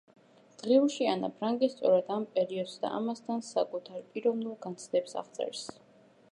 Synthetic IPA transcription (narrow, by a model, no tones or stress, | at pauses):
d̪̥ʁiuʃianapʰɾaŋɡist̪sʼɔɾɛd̪ampʼɛɾiɔd̪sd̪a̰a̰mast̪ʰansakʼut̪ʰaɾpʼiɾɔvnulˠɡant̪sʰd̪ɛpsa̰ʁt̪sʼɛ̰ɾs